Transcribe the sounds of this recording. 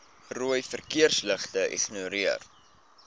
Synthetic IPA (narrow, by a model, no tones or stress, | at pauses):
ruəjfərkiərsləχtəʔɛ̰χnuəɾiər